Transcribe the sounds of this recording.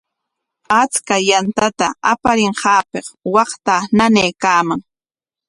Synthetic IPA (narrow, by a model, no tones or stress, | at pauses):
at͡skajant̪at̪aapaɾɪɴɢɑːpeχwɑχt̪ananejkaːmaŋ